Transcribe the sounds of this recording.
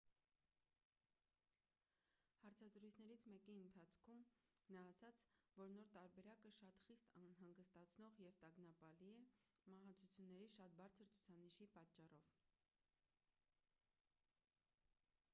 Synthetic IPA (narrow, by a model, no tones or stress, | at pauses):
hɑɾt͡sʰɑzɾujt͡sʰnɛɾit͡sʰmɛkiənt̪ʰɑt͡sʰkʰumnɑːsɑt͡sʰvɔɾnɔɾt̪ɑɾbɛɾɑkəʃɑt̪χist̪ɑnɦɑŋɡəst̪ɑt͡sʰnɔʁjɛvt̪ɑɡnɑpɑliɛmɑɦɑt͡sʰut͡sʰjunːɛɾiʃɑt̪̚bɑɾt͡sʰəɾt͡sʰu̥t͡sʰɑniʃipɑtt͡ʃːɑrɔv̥